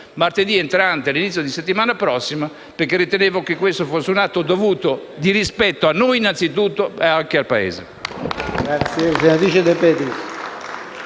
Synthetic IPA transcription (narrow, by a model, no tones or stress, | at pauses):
mart̪ed̪iɛnt̪ɾant̪ealinit̪sːjod̪iset̪ːimaːnapɾɔsːima | peɾkːerːit̪eneːvokekːwest̪ofosːeunat̪ːod̪ovuːt̪od̪iɾispɛt̪ːoanːojinːant̪sit̪ut̪ːoɛaŋk̟ealpaḛːzḛ | ɡɾat̪sjesenad̪it͡ʃed̪epɛd̪is